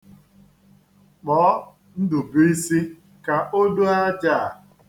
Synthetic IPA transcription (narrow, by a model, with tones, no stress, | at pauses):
k͡pɔː˨˦ | n̩˦dʊ˨bi˦i˦si˦ | ka˨ʔo˦do˦a˦d͡ʒa˦˨